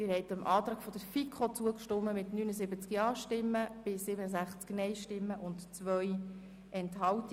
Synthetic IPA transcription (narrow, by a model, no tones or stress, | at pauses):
ɪɾhɛɪtəmʔɑːt̪ɾɑːkfɔd̥̪əɾfikʰot͡suəkʃtʊmːəmɪtnyːnəzɪbət͡skjɑːʃtɪmːəb̥ɪsɪbənəzæχt͡sknɛɪʃtɪmːəʔʊntt͡svœj | ɛnthɑlt